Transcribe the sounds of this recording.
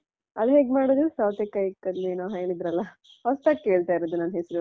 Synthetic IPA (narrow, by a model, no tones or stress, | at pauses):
ɐlɦeːɡmaːɽoːd̪ɾusɐwt̪ekːɐjikːɐd̪neːnoɦeːɭid̪ɾɐlːɐ | hɔst̪aːɡkeːɭt̪aːjiɾoːd̪unanɦesɾu